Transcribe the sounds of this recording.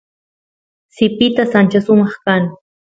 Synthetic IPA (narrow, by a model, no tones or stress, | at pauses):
sɪpɪt̪asant͡ʃasʊmɑχkaŋ